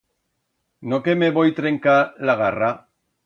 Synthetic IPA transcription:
nokemeβojt̪ɾeŋkalaɣara

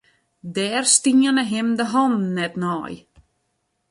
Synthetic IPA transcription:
dɛːrstiənəɦɪmdəɦɔnnːɛtnɔ̰ːj

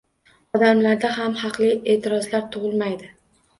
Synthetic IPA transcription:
ɒd̪amlaɾd̪aɦamhɑqlˠie̞ːt̪ʰɪɾɒzlaɾt̪ʰʊʁɨlˠmajd̪ɪ

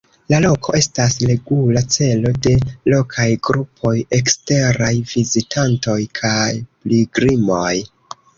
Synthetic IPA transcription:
lalo̞kʰo̞̰ʔe̞stasle̞ɡulat͡se̞lo̞de̞lo̞kʰajɡɾupʰo̞je̞kste̞ɾajvizitʰanto̞jkʰajpliɡɾimo̞j

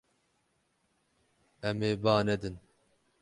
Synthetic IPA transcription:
ɛmeːbaːnɛd̪ɨn

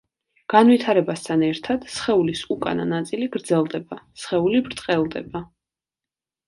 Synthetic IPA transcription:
ɡ̥anwit̪ʰaɾɛbast̪ʰanɛɾt̪ʰad̪̥sχɛulisukʼa̰na̰nat̪sʼiliɡɾd̪zɛlˠd̪ɛbasχɛulibɾt̪ʼqʼɛlˠd̪ɛba

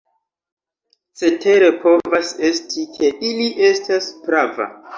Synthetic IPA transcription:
se̞tʰe̞ɾe̞po̞vase̞stʰikʰe̞ʔiliʔe̞staspɾava̰

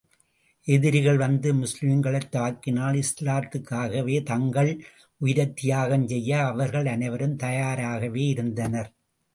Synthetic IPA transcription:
ʔɛðɪɾɪɣɐɭʋɐnd̪ɯmʊslɪmɪŋɡɐɭɐɪt̪ːaːkɪnaːlɪslaːt̪ːɯkːaːɣɐʋeːt̪ɐŋɡɐɭ | ʔʊjɪɾɐt̪ːɪjaːɣɐnsɛjːɐːʋɐɾɣɐɭɐnɐɪʋɐɾɯmt̪ɐjaːɾaːɣɐʋeːɪɾɯnd̪ɐnɐɾ

